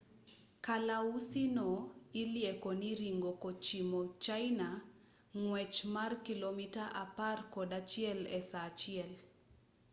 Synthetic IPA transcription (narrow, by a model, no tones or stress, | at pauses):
kalausinɔiljɛkɔniɾiŋɡɔkɔt͡ʃimɔt͡ʃajna | ŋwɛt͡ʃmarkilɔmitaʔaparkɔɗat͡ʃiɛlɛsat͡ʃiɛl